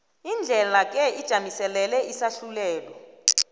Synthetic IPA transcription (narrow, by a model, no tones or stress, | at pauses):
ind͡ɮʱɛlak̬ʼɛid̥ʒ̥ʱamisɛlɛlɛisaɬulɛːlɔ